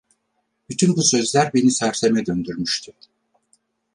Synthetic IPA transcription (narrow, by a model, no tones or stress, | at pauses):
b̥yt̪ʰynbusø̞zlʲæɾbe̞nisæɾse̞mɛd̪ønd̪yɾmyʃt̪ʰy